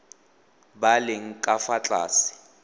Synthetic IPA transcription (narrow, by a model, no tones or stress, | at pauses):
balɪŋ̩kʼafat͡ɬʼa̰ːsɪ̥